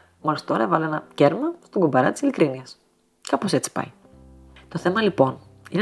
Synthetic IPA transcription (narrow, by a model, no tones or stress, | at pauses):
mɐst̪o̞ɾɐevɐlenɐceɾmɐst̪oɡubɐɾɐt̪i̥silikɾiniɐs | kɐpo̞se̞t͡si̥pɐ̰j | t̪o̞θe̞mɐlipo̞n | ine